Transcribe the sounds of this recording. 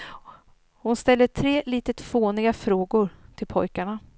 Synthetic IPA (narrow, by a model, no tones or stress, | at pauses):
hʊnst̪ɛlːəʈʰɾeːliːt̪ət̪foːnɪɡafɾoːɡʊɾt̪ʰɪlpʰɔjkaɳa